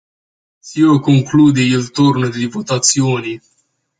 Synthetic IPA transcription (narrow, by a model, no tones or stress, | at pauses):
siokoŋkluːd̪eilt̪urnod̪ivot̪at̪sjoːni